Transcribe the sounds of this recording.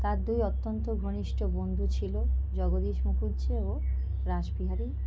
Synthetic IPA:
t̪aɾd̪ujɔt̪ːont̪oɡʱoniʃʈobond̪ʱut͡ɕʰilod͡ʑɔɡod̪iʃmukʰuɾt͡ɕʰeo | ɾaʃbiɦaɾi

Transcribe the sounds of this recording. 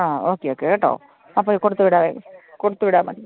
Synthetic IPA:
aːoːkeːoːkeːʈːo̰ː | ɐpːoːkʊɽɯt̪ːɯʋɪɽaːʋḛːkʊɽɯt̪ːɯʋɪɽaːmɐ̰ɳ

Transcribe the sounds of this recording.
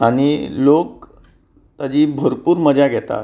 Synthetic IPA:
aɽ̃ilok̚ | t̪ad͡ʑiːbʱəɾpuːɾməd͡ʑaɡʱɛt̪a̰

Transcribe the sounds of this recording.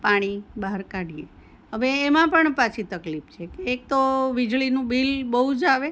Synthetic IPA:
paɽ̃ibaɦəɾkaɽijḛ | ɦəʋeːmãpəɳpat͡ʃʰit̪əklipt͡ʃʰekeːk̚t̪oʋid͡ʒɭinũbilbəɦud͡ʒaʋe

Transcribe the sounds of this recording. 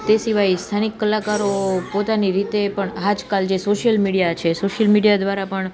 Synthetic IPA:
t̪esiʋajst̪ʰanikːəlakaɾopot̪aniɾit̪epəɳɦad͡ʒkald͡ʒesoʃijəlmiɽijat͡ʃʰesoʃəlmiɽijad̪ʋaɾapəɳ

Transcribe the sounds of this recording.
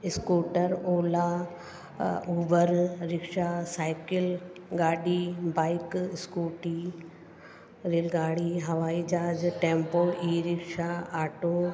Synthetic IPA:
ɪskoːʈəɾoːlaː | uːbəɾɾɪkʃasaːɪkɪlɡaːɖibaːɪkɪskuːʈi | ɾilɡaːɽiːɦɐʋaːid͡ʒaːd͡ʒʈẽːmpoːiːɾɪkʃaːaːʈo

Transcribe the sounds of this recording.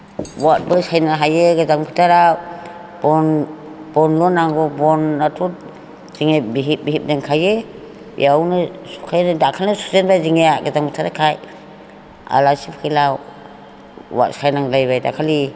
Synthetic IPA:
wat̚bɯsajnaɦajeɡazaŋpʰitʰaɾaw | bɔn | b̥ɔnlɔnːaŋɡɔbɔnːatʰut̚ | z̥iŋebiɦit̚biɦip̚daŋkʰaje | jawnɯsu̥kʰajnɯdakʰalnɯsu̥zenbaziŋeaɡazaŋbitʰaɾakʰaj | a̰lasipkʰajlaw | wa̰t̚sajnaŋlajbajda̰kʰali

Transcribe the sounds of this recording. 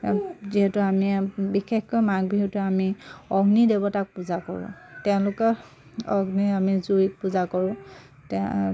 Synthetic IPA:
ziɦɛtʊamibixexkɔjmaɡbʱiɦutʊamiɔɡnidebɔtak̚puzakɔɹʊ̰̃tɛʊ̃lʊkɔ | ɔɡniamizuipuzakɔɹʊ̃ | tɛ

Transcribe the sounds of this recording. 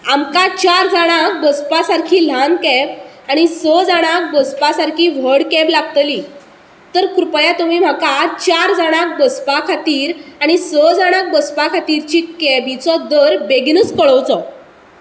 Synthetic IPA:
amkat͡ɕaɾd͡zaɽ̃ak̚bəspasaɾkʰiːl̤ankɛb | aɽ̃isəd͡zaɽ̃ak̚bəspasaɾkʰiːʋ̤əɽkɛblaɡ̚t̪li | t̪əɾkɾupjat̪um̤iːm̤akat͡ɕaɾd͡zaɽ̃ak̚bəspakʰat̪iːɾaɽ̃isəd͡zaɽ̃ak̚bəspakʰat̪iɾt͡ɕiːkɛbit͡sɔd̪əɾbeɡnət͡skəɭəwt͡sɔ

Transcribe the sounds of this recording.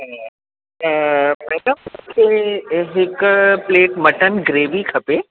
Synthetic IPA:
mɛɖəmkʰeɦɪkpleːʈmɐʈənɡɾeːʋikʰɐpeː

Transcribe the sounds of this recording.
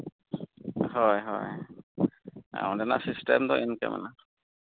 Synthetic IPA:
hɔjɦɔ̰j | a̰dɛna̰sistɛmdɔʔɛnkaɛ̰mʔa̰na

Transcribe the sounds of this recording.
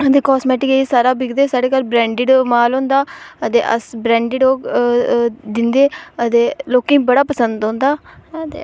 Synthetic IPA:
ət̪eːkɔːsmɛːʈɪkesaːɾaːbɪkd̪eːsaːɖeːkəɾbɾɛ̃ːɳɖɪɖmaːlõːnd̪aːət̪ḛːʔə̰sbɾɛ̃ːɳɖɪɖoː | d̪ɪnd̪eːət̪eːloːkĩːbəɽaːpəsənd̪ɦõːnd̪aːt̪ḛː

